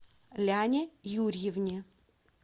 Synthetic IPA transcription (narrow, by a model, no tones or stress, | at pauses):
lʲanʲɪjurʲjɪvnʲɪ